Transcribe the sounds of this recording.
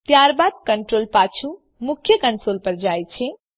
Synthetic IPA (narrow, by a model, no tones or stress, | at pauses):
t̪jaɾbad̪̚kəɳʈɾolpat͡ʃʰu | mukʰjəkənsolpəɾd͡ʒajt͡ʃʰɛ̃